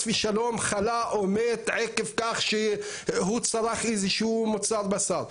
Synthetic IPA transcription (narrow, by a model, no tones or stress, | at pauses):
fiʃalomχalaʔomet̪ʕekevkaχʃe | hut͡saɾaχiziʃumot͡saɾbasaɾ